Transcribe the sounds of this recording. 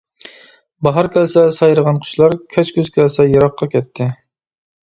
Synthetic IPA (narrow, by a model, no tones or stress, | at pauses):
bɑɦɑɾkʲʰɛlsɛsɑjɾəʁɑnqʰy̥ʃlˠɑɾkʲʰɛt͡ʃkʲøz̥kʲʰɛlsɛjɑɾɑqʰːɑkʲʰɛt̪ʰːɪ